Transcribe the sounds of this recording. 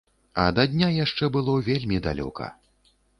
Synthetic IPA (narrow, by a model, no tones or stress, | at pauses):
ɐ̰d̪ɐd̪ʲnʲajaʂt͡ʂɛbɨlˠɔvʲelʲmʲid̪a̰lʲɔ̰kʰɐ̰